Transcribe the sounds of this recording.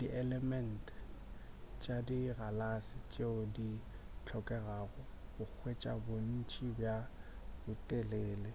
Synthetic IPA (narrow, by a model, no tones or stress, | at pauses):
diʔɛlɛmɛntʰ | t͡ʃʼadiralasɪt͡ʃʼeʊdi | t͡ɬʰɔkʼɛraːɣɔbʊk͡xʰwet͡ʃʼa̰bon̩t͡ʃʼibja | bʊtʼeleːle